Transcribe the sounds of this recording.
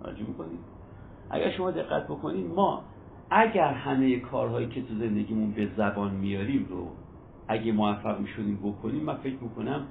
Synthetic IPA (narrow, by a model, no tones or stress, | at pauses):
æ̰d͡ʒemiko̞nid̪ | ʔæ̰ɟæɾʃo̞mɒːd̪e̞ɣːæ̰t̪̚ʰbo̞kʰo̞nid̪mɒː | æɟæɾhæmejekʰɒːɾɦɒːjiːcʰe̞t̪ʰuze̞nd̪e̞ɟiːmunbe̞zæbɒːnmijɒːɾiːmɾo̰ | ʔæɟemoæfːæɣmiʃo̞d̪iːmbo̞kʰo̞niːmːænfe̞cʰmiːkʰo̞næm